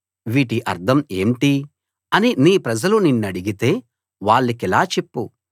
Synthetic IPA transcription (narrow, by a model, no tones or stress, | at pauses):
ʋiːʈiʔɐ̰ɾd̪ʱɐmeːmʈi | ɐniniːpɾɐd͡ʒɐluninːɐɽiɡit̪e̞ː | ʋaːɭːikilaːt͡ʃe̞pːu